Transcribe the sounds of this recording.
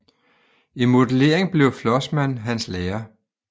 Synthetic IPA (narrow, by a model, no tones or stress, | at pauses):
imo̝dle̝̰ɐeŋb̥le̝ʊflɒ̽smæn̰ɦænsleːɐ